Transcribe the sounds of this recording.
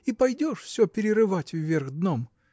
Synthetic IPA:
ipɐjdʲoʂfsʲɵpʲɪɾʲɪɾɨvatʲvːʲerɣd̪nom

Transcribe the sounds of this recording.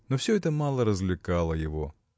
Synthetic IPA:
nofsʲɵɛt̪əmɑlˠəɾəzvlʲɪkalˠəjɪvo

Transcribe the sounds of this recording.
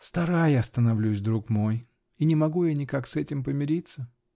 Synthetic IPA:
st̪ɐɾajast̪ənɐvlʲusʲd̪ɾukmo̞j | inʲɪmɐɡujanʲɪkaksɛtʲɪmpəmʲɪɾʲit̪sə

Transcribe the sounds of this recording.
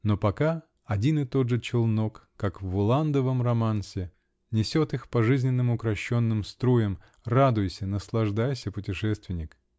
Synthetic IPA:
no̞pɐka | ɐdʲinɨt̪o̞d̪ʐɨt͡ɕɪlˠno̞kːakvʊlˠand̪əvəmrɐmansʲɪ | nʲɪsʲo̞t̪ɨxpɐʐɨzʲnʲɪnːɨmʊkɾɐɕːo̞nːɨmst̪ɾojəm | rad̪ʊjɪsʲənəslˠɐʐd̪ajsʲəpʊtʲɪʂɛst̪vʲɪnʲɪk

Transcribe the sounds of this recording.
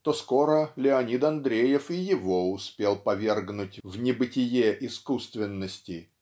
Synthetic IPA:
t̪osko̞ɾəlʲɪɐnʲit̪ɐnd̪ɾʲejɪfɪjɪvo̞ʊspʲelˠpɐvʲe̞rɡnʊtʲvnʲɪbɨtʲɪjeʔɪskust̪vʲɪnːəsʲtʲɪ

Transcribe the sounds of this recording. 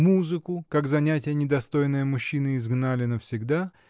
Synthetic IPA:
muzɨkʊkakzɐnʲætʲɪjənʲɪd̪ɐst̪o̞jnːəjəmʊɕːinɨɪzɡnalʲɪnəfsʲɪɡd̪a

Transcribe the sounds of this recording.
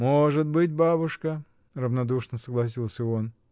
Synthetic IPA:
moʐɨt̪̚bɨt̬̚ʲbabʊʂkə | rəvnɐd̪uʂnəsəɡlˠɐs̬ʲilˠsʲəon

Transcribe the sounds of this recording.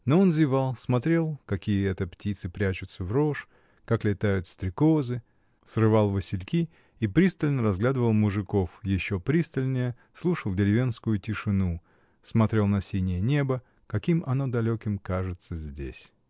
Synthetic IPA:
noonzjɪvalˠsmɐt̪ɾʲe̞lˠkɐkʲijəɛt̪əptʲit̪sɨpɾʲæt͡ɕʊt̪səvɾo̞ʂ | kaklʲɪt̪ajʊt̪st̪ɾʲɪko̞zɨ | srɨvɑlˠvɨsʲɪlʲkʲi | ipɾʲist̪əlʲnəɾɐzɡlʲad̪əvəlˠmʊʐɨko̞fjɪɕːopɾʲist̪əlʲnʲəjə | slˠuʂəlˠdʲɪlʲɪvʲenskʊjʊtʲɪʂɨnu | smɐt̪ɾʲe̞lˠnɐsʲinʲɪjənʲe̞bə | kɐkʲimɐno̞d̪ɐlʲokʲɪmkaʐɨt̪səzʲdʲḛsʲ

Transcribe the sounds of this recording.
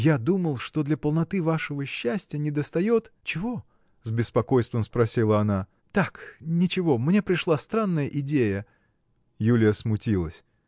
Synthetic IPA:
jad̪uməlˠʂt̪o̞d̪lʲɐpəlˠnɐt̪ɨvaʂɨvəɕːæsʲtʲɪjənʲɪd̪əst̪ɐjo̞t̪t͡ɕɪvo̞ | zbʲɪspɐko̞jst̪vʲəmspɾɐsʲilˠəɐna | t̪aknʲɪt͡ɕɪvo̞mnʲe̞pɾʲɪʂlˠast̪ɾanːəjəʔɪdʲejə | julʲɪjəsmʊtʲilˠəsʲ

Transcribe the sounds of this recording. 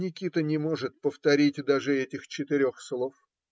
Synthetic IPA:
nʲɪkʲit̪ənʲɪmo̞ʐɨt̪̚pəft̪ɐɾʲitʲd̪aʐɨɛtʲɪxt͡ɕɪt̪ɪɾʲoxslˠo̞f

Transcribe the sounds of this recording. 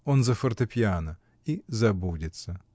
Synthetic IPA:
onzɐfərt̪ɨpʲjanə | izɐbudʲɪt̪sə

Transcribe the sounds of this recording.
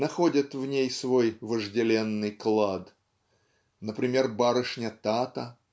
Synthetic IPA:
nɐxo̞dʲɪt̪vnʲejsvo̞jvəʐdʲɪlʲe̞nːɨjklˠad̪ | nəpɾʲɪmʲe̞rbaɾɨʂnʲət̪at̪ə

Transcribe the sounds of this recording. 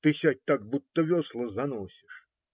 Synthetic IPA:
t̪ɨsʲat̚ʲt̪aɡ̚but̪ːəvʲɔslˠɔzanɔsʲiʂ

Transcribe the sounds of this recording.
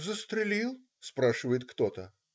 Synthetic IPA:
zəst̪ɾʲɪlʲilˠ | spɾaʂɨvəjɪt̪kt̪ot̪ə

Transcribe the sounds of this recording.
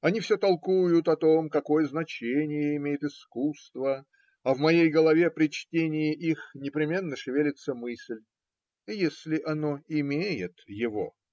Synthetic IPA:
ɐnʲifsʲot̪ɐlˠkujʊt̪ɐt̪o̞mkɐko̞jəznɐt͡ɕenʲɪjəɪmʲejɪt̪ɪskust̪və | ɐvmɐjejɡəlˠɐvʲe̞pɾʲɪt͡ɕtʲenʲɪjɪʔixnʲɪpɾʲɪmʲe̞nːəʂɨvʲelʲɪt̪səmɨsʲlʲ | jesʲlʲɪʔɐno̞ɪmʲejɪt̪jɪvo

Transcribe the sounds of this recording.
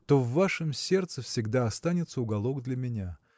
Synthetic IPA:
t̪o̞vːaʂɨmsʲe̞rt̪səfsʲɪɡd̪aɐst̪anʲɪt̪səʊɡɐlˠo̞ɡd̪lʲəmʲɪnʲa

